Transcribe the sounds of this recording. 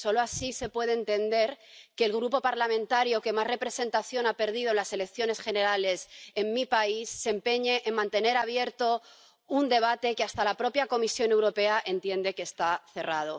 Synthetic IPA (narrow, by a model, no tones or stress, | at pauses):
so̞loasise̞pwe̞ð̞eːnt̪e̞nd̪e̞ɾke̞ːlɣ̞ɾupo̞paɾlamẽnt̪aɾjo̞ke̞mazre̞pɾe̞se̞nt̪aθjo̞nape̞ɾðið̞onlase̞le̞kθjo̞ne̞sxe̞ne̞ɾale̞se̞mmipaisːempe̞ɲe̞ʔːmmãnt̪e̞ne̞ɾaβ̞je̞ɾt̪o̞ | und̪e̞β̞at̪e̞keast̪alapɾo̞pjako̞misjo̞ne̞wɾo̞pe̞aʔe̞nt̪je̞nd̪e̞ke̞ːst̪aθe̞rað̞o̞